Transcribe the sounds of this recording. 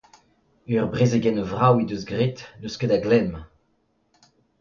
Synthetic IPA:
yʁbʁezeɡɛnvʁawid̪øzɡʁit̪nøskəd̪aɡlɛm

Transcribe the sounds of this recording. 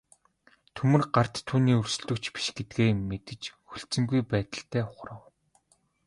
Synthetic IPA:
t̪ʰɵmɘ̆rɢar̥t̪ʰːuːniːɵrsɵ̆ɮɵ̆kt͡ɕpi̥ʃɡet̪̚ɡeːmmːet̪ɘ̆t͡ɕxɵɮt͡sɘ̆ŋɡujpæːt̪ə̆ɬt̪ʰæːʊχrə̆w

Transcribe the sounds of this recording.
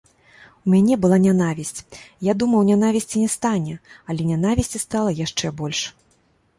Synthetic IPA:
umʲanʲɛbɨlˠanʲanavʲisʲt͡sʲjad̪umɐwnʲanavʲisʲt͡sʲinʲɛst̪anʲɛɐlʲɛnʲan̪avʲisʲt͡sʲist̪alˠɐjaʂt͡ʂɛbɔlʲʂ

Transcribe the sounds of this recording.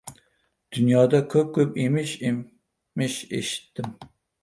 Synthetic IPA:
d̪̥ynjɑːd̪ɑkʲʰøp̚kʲʰøpemɪʃ | mɪʃḛʃi̥t̪ʰːɪm

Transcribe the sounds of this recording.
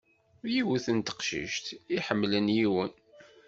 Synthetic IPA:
jiwuθənt̪ə̥qʃə̰ʃt̪iħəmːlənjiwən

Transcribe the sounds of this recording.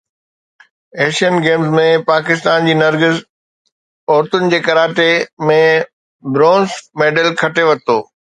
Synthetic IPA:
eːʃijənɡeːmzmẽpaːkɪst̪aːnd͡ʑiːnɐɾɡɪz | ɔːɾt̪ʊnɪ̆d͡ʑeːkɐɾaːt͡ɕemẽ | bɾɔ̃ːnzmeːɖəlkʰɐʈeʋɐt̪ʰoː

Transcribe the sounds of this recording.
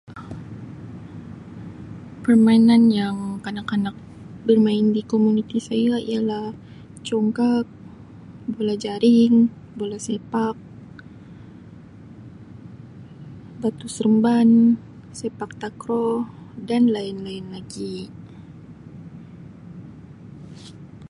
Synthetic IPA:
pərmainanjaŋkanakanak̚ | bərmaɪndikomunit̪isajaḭalah | t͡ʃɔŋkak̚ | bolahd͡ʒaɾɪŋ | bolasepak̚ | bat̪usəɾəmban | sepak̚t̪akɾɔhdanlaɪnlaɪnlaɡi

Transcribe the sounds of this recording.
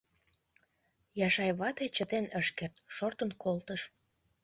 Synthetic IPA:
jɑʃɑjβɑt̪et͡ɕət̪enəʃkert̪ʃort̪ənkolt̪əʃ

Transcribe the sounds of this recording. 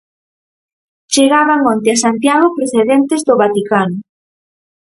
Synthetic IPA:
t͡ʃeɣaβaŋont̪ɪasant̪jaɣ̞opɾeθeðent̪ezðoβat̪ikanʊ

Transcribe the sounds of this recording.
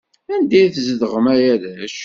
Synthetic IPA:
ænd̪iθzəðəʁəmæjæðæʃ

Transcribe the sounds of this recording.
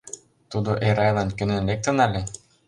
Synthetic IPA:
t̪ud̪oʔeɾɑjlˠɑnkʲø̆nɘ̆nlʲek̚t̪ɤ̆nɑlʲe

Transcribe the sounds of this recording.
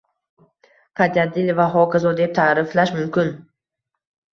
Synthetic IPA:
pʰad̪ad̪ɪlvaɦɒkʰazɒd̪ep̚t̪ʰaɾɪflaʃmʊmkʲɪn

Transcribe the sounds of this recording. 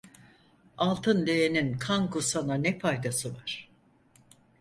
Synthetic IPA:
alˠt̪ʰɯnlejeninkʰaŋkʰusananɛpajd̪asɯvaɾ̥

